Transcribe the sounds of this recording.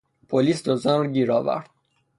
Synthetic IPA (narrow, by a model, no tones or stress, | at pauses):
pʰoliːsd̪ozɒnɾɟiːɾɒːvæ̰ɾd̪̥